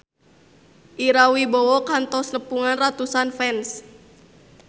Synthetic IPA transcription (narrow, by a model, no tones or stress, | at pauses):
ʔiɾawibɔwɔkant̪ɔsnəpuŋanrat̪usanfɛns